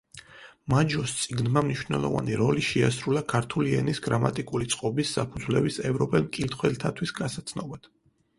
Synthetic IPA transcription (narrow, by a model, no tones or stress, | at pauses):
mad͡ʒɔst̪sʼiɡnmamniʃvnɛ̰lˠɔ̰va̰niɾɔliʃɛa̰sɾulakʰaɾt̪ʰuliɛ̰nisɡ̥ɾamat̪ʼikʼulit̪sʼqʼɔbisːapʰud̪zlɛbisɛvɾɔpʼɛlmkʼilt̪ʰχwɛlt̪ʰat̪ʰwisɡasat̪sʰnɔbad̪̥